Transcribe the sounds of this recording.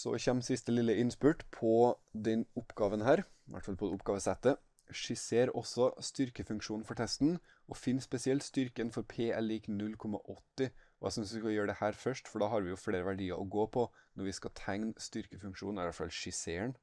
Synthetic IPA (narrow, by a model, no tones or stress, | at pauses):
sɔ̰çɛmsɪst̪əlɪlːəɪnspʉʈpʰɔd̪ɛnʊpɡɑːʋənhæːɾʋʔæ̰ʈfɑlpʰɔd̪ɛʊp̚ɡ̥ɑːʋəsɛt̪ːə | ʂɪseːɾɔ̰sɔst̪ʏɾkəfʉŋkʂuːnfɔʈʰɛst̪n | ʔɔfɪnːspɛsɪɛlt̪st̪ʏɾkənfɔɾpʰeːɛliːknʉlːkʰɔmɑ̰ʔɔt̪ːɪɔʔæ̰sʏnsʋɪskɑjøːɖɛhæːɾfœʂʈfɔɖɑːhɑɾʋɪjʊfɽeːɾəʋæɖiːɑ̰ɾʔɔɡoːpʰɔnɔɾʋɪskɑt̪ʰæŋnst̪ʏɾkəfʉŋkʂuːnɛʋæʈfɑ̰lʃɪseːəɳ